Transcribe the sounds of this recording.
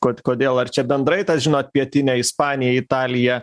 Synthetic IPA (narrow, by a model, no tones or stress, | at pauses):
koːt̪ʲkoːd̪ʲeːlˠɐrt͡ʃʲɛbʲɛnd̪ɾɐɪt̪ɑʒʲɪnoːt̪̚pʲiɛt̪ʲɪnʲɛɪspɑːnʲɪjɛɪt̪ɑːlʲɪjɛ